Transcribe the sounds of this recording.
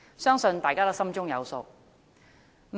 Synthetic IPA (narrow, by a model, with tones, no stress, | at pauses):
sœː˥ŋsɵ˧nt̪aː˨jkaː˥t̪ɔ˧˥sɐ˥mt͡ʃʊ˥ŋjɐ˨˧wso˧w | m